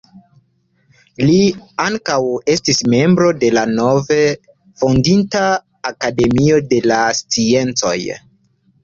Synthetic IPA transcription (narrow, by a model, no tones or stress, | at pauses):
liaŋkawe̞stisme̞mbɾo̞de̞lano̞ve | fondintaː | kade̞mio̞de̞last͡sie̞nt͡so̞̰j